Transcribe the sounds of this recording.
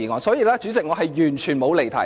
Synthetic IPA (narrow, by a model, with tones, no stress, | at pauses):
iː˨˩ŋɔː˨˥ŋsɔː˨˥jiː˨˧laː˥t͡ʃyː˨˥t͡sɪ˨k̚ŋɔ˨˧˥ɐ˨jjyː˨˩nt͡ʃʰyː˨˩nmo˨˧wle˨˩jt̪ʰɐ̰˨˩˦